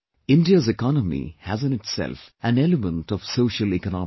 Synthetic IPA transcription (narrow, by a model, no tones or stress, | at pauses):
ɪ̃nɖiəzɛkɑnəmḭhæzɨ̃nɪtsɛ̰lfæ̃nɛləmə̃nʈɔʋsoːʃəlikənɑ